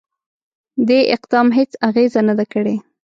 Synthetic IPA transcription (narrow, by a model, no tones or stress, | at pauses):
d̪eʔɪqd̪ɑmɦet͡saɣezanad̪akəɽe